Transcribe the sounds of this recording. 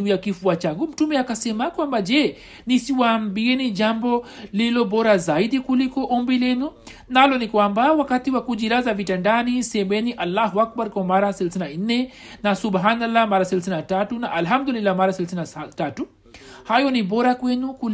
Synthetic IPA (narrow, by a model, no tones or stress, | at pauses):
ujakifuat͡ʃaŋɡum̩tumɛakasɛmakwambad͡ʒɛ | nisiwaːmbiɛniʄambɔlilɔbɔɾazaiɗikulikɔʔɔmbilɛnu | nalɔnikwambawakatiwakuʄilazavitandanisɛmɛniʔalːaɦuak̚baɾkwamaɾasɛlasθinan̩nːɛnasuɓɦanalːamaɾasɛlaθinatatunaʔalɦamd̪ulilːamaɾasɛlaθinatatu | hajɔnibɔɾakwɛnuku